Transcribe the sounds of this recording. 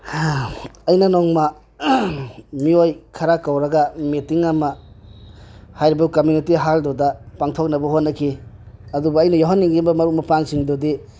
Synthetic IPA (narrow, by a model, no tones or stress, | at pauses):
ɐjnɐnɔŋma | miojkʰaɾakawɾɐɡametiŋamɐ | hajɾibakomjunitiɦaldodapaŋtʰok̚nɐbɐɦotnɐkʰiɐdubuɐjnɐjoɦanːiŋɡibɐmɐɾumɐpaŋsiŋdodi